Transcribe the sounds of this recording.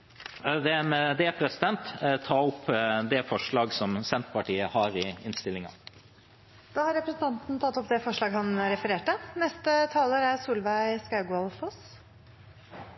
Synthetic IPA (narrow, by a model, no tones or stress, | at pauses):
d̪ɛmɛd̪ɛpʰɾɛsɪd̪ɛnt̪t̪ʰɑːʊpːd̪ɛfɔʂɭɑːɡsɔmsɛnt̪pɑʈiːəhɑɾɪɪnst̪ɪlɪŋɑ̰ | d̪̥ɑːhɑɾɛpɾəsnt̪ʰɑnt̪n̩t̪ʰɑt̪ːɔpd̪ɛfɔʂɭɑːɡɦɑnɾɛfəɾeːʈənɛst̪ət̪ʰɑːləɾæɾsuːlʋæɪskɑʉɡɔlfɔs